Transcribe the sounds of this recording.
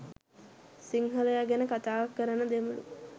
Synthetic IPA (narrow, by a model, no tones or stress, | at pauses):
siŋɦələjaɡænəkat̪aːʋakːəɾənəd̪emulṵ